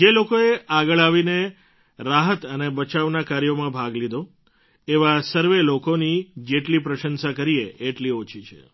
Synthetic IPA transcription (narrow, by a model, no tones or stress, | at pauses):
d͡ʒelokoeaɡəɭaʋine | ɾaɦət̪ənebət͡ʃaʋnakaɾjomãbʱaɡlid̪ʱo | eʋasəɾʋelokonid͡ʒeʈlipɾəʃənsakəɾieːʈliot͡ʃʰit͡ʃʰḛ